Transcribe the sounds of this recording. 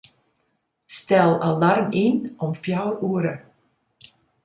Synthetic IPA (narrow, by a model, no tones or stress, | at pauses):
stɛlˠalarminɔmfjawruəɾə